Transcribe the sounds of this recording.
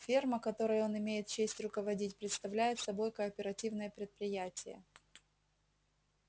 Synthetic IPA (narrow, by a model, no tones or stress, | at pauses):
fʲirməkɐt̪o̞ɾəjəo̞nɪmʲejɪt̪̚t͡ɕesʲtʲrʊkəvɐdʲitʲpɾʲɪt̪st̪ɐvlʲæjɪt̪sɐbo̞jkəːpʲɪɾɐtʲivnəjəpɾʲɪt̪̚pɾʲɪjætʲɪjə̰